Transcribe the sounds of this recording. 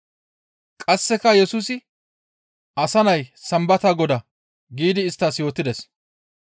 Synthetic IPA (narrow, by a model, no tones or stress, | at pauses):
kʼɐsːɛkɐjɛsuːsɪ | ɐsɐnɐjsɐmbɐt̪aɡɔd̪ɐ | ɡiːd̪ɪːst̪ːaːsjo̞ːt̪ːɪd̪ɛs